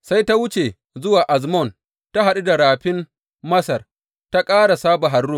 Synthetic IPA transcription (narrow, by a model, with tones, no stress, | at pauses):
sa˦jta˦wʊ˦t͡ʃe˨ | zʊ˦waː˨ʔa˨zmɔ˦˨n | ta˦ɦa˨ɗu˦da˨ɽaː˨ɸɪ˦m | mɐ˦sɐ˨r | ta˦kʼaː˦ɽa˨saː˦ba˨ɦa˨rːʊ˦m